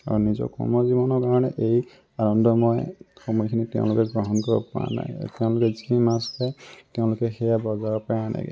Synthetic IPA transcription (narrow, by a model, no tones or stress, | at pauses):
a̰ɹunizɔ̰kɔ̰mɔzibɔnɔɹkaɹɔnɛʔej | anɔndɔmɔjxɔmɔjkʰinitɛ̰̃ʊ̰̃lʊkɛɡɹɔɦɔnkɔɹbɔ̰pa̰na̰j̰tɛʊ̃lʊkɛzikʰiimastatɛʊ̃lʊkɛxɛjabɔzaɔpajana̰ɡɛ̰